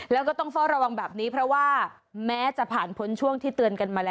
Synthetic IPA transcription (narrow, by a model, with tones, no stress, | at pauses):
lɛː˦˥wkɔː˥˩t̪ɔ˥˩ŋfɔː˥˩ɾa˧wa˧ŋbɛː˨˩p̚niː˦˥pʰɾɔ˦˥waː˥˩ | mɛː˦˥t͡ɕa˨˩pʰaː˨˩npʰo˦˥nt͡ɕʰu˥˩əŋt̪ʰiː˥˩t̪ɯ˧ənka˧nmaː˧lɛː˦